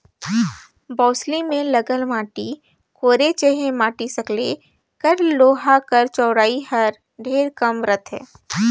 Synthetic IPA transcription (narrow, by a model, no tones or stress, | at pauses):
bɔːslimẽlɐɡəlmaːʈi | koːɾet͡ʃeɦẽmaːʈisɐkleː | kɐɾloːɦakəɾt͡ʃɔːɽaːiɦɐɾ | ɖʱeːɾkəmɾət̪ʰɦɛ̰ː